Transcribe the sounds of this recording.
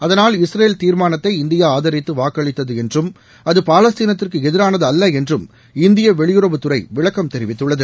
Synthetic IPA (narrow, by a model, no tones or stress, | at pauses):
ɐðɐnaːlɪsɾeːlt̪iːɾmaːnɐt̪ːɐɪɪnd̪ɪjaːaːðɐɾɪt̪ːɯʋaːkːɐɭɪt̪ːɐðɯɛndrɯm | ɐðɯpaːlɐst̪iːnɐt̪ːɪrkɯɛðɪɾaːnɐðɯɐlːɐɛndrɯm | ɪnd̪ɪjɐʋɛɭɪjɯɾɐbɯt̪ːɯrɐɪʋɪɭɐkːɐmt̪ɛɾɪʋɪt̪ːɯɭːɐðɯ